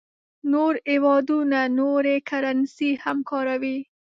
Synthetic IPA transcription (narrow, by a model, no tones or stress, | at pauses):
noɾewɑd̪unanoɾekʰaɾansihamkʰɑɾawi